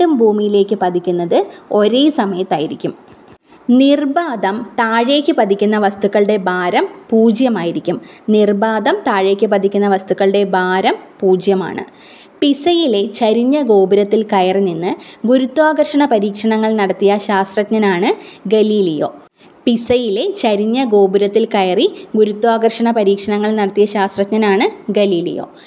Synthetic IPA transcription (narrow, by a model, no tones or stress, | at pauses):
ɖumbʱuːmijile̞ːkʲːɨpɐd̪ʱikʲːunːɐðɨo̞ɾe̞ːsɐmɐjɐt̪ːaːjiɾikʲːum | nirbaːd̪ɐmt̪aːɻe̞ːkʲːɨpɐd̪ʱikʲːunːɐʋɐst̪ukːɐɭɽe̞bʱaːɾɐmpuːd͡ʑjɐmaːjiɾikʲːumnirbaːd̪ɐmt̪aːɻe̞ːkʲːɨpɐd̪ʱikʲːunːɐʋɐst̪ukːɐɭɨɽe̞baːɾɐmpuːd͡ʑjɐma̰ːɳɨ̰ | pisɐjile̞t͡ɕɐɾiɲːɐɡo̞ːbiɾɐt̪ːilkɐjɐrininːɨɡuɾut̪ːwaːɡɐrʂɐɳɐpɐɾiːkʂɐɳɐŋːɐɭnɐɽɐt̪ːijɐɕaːst̪rɐt̪ɲɐnaːɳɨɡɐliːlijo̞̰ː | pisɐjile̞t͡ɕɐɾiɲːɐɡo̞ːbiɾɐt̪ːilkɐjɐriɡuɾut̪ːwaːɡɐrʂɐɳɐpɐɾiːkʂɐɳɐŋːɐɭnɐɽɐt̪ːijɐɕaːst̪rɐt̪ɲɐnaːɳɨɡɐliːlḭjo̞̰ː